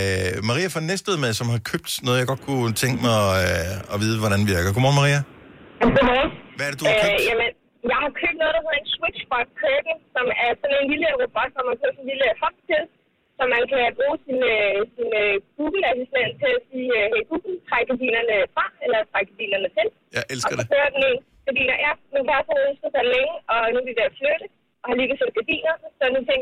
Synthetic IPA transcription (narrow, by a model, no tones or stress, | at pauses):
mɑ̈ʁḭːæfɒnesd̥eð̩̰ˠmeðˠsɒ̽mhɑ̈kʰøb̥̚d̥nɔ̽ð̞̩ˠjɑ̈ɡ̥ɒ̽d̥̚kʰut͡sʰeŋɡ̥əmɑ̈ɪɒ̽ʋið̞ˠəʋɒɾænʋiɐɡ̥ɐɡ̥omɒːnmɑʁḭːæɡ̥omɒːnʋæɐd̥ed̥uøjæmən | jɑ̈ɪhɑ̈kʰøb̥̚d̥nɔ̽ːð̞ˠd̥ɑsoenswid̥ɕfɑ̥kʰʁøb̥n̩sɒ̽mæɐsɔ̽ne̝nliləʁob̥ɒ̽d̥sɒmhænkʰɔ̥̽sɔn̩liləhɒ̽b̥̚t͡sʰe̝l | sɒ̽mænkʰæb̥ʁṵːsinøsinøɡ̥uːɡ̥l̩æsisd̥ent͡sʰeæsiːøɦeɪɡ̥uːɡ̥l̩t͡sʰʁaɡ̥əɡ̥æd̥ḭːnɐnəfʁɑ̈elɐt͡sʰʁaɡ̥̚ə̥ɡæd̥ḭːnɐnət͡sʰe̝l | ɒ̽skʰøːɐd̥ene̝n | ɡ̥æd̥ḭːnɐjæmenkʰæælsɒønsɡ̥ð̩ˠsɑ̈ɪleŋəʔɒ̽nud̥id̥eɐ̰fløɾ̥ə | ʔɒ̽hɑ̈liɡəsen̥̚ɡ̥æd̥ḭːnɐsɒnut͡sʰeŋ̰ɡ